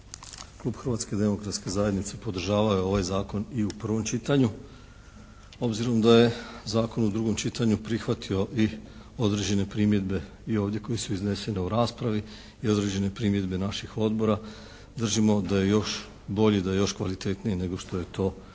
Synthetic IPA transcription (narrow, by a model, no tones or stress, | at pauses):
klˠuːb̥xr̩ʋat̪ske̞id̪e̞mo̞kɾat̪ske̞zaje̞d̪nit̪se̞po̞d̪r̩ʒaːʋajoo̞ʋajzaːko̞niupr̩ʋo̞mt͡ʃit̪aɲu | o̞bziɾo̞md̪aje̞zaːko̞nud̪ɾuɡo̞mt͡ʃit̪aɲupɾixʋat̪ʰio̞ʔi | o̞d̪ɾe̞d͡ʑe̞ne̞pɾiːmje̞d̪be̞ | io̞ːʋvd̪je̞ko̞jesuizne̞se̞ne̞uɾaːspɾaʋi | io̞d̪ɾe̞d͡ʑe̞ne̞pɾiːmje̞d̪be̞naʃixo̞d̪bo̞ɾa | d̪r̩ʒimo̞d̪aje̞jo̞ʃ | bo̞ʎid̪ajejo̞ʃkʋalit̪e̞t̪nijene̞ɡo̞ʃt̪o̞je̞t̪o̞ː